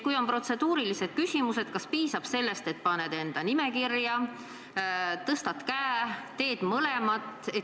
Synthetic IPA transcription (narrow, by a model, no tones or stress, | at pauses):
kujo̞mpro̞t̪se̞d̪̥uːɾilise̞d̪̥̚kysʲimuse̞d̪̥kɑspiːsɑb̥se̞lːe̞st̪e̞t̪pɑne̞d̪e̞nd̪̥ɑnime̞kirjɑ | t̪ɤst̪ɑt̪kæːt̪e̞ːd̪̥mɤlemɑt̪ːˑe̞